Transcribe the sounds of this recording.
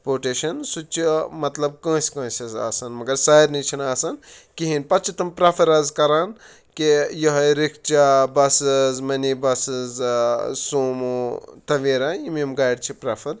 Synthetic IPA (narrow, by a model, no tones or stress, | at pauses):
poːʈeːʃɐnsut͡ʃʰimɐt̪lɐb̚kɐ̃ːsʲkɐ̃ːsʲɐza̰ːsɐnmɐɡɐɾsaːjɾnit͡ʃʰinaːsɐnkiɦinpɐt͡ʃʰit̪ɐmpɾɐfʰɐɾɐzkɐɾaːn | kijɐɦɐjɾikʰt͡ʃabɐsɨzmɐnibɐsɨzsuːmot̪ɐʋiːɾaːimemɡaːjɖt͡ʃʰipɾɐfʰɐɾ